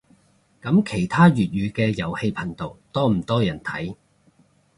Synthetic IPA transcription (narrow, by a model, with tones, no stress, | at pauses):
kɐ˨˥mkʰe˨˩jt̪ʰaː˥ɥyː˨t̚ɥyː˨˧kɛː˧jɐ˨˩whe˧jpʰɐ˨˩ŋt̪o˨wt̪ɔː˥m̩˨˩t̪ɔː˥jɐ˨˩nt̪ʰɐ˨˥j